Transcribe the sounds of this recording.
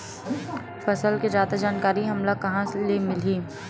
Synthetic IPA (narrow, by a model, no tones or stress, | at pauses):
fɐsəlked͡ʒaːd̪ad͡ʒaːnkaːɾiɦɐmlakɐɦãlemɪliː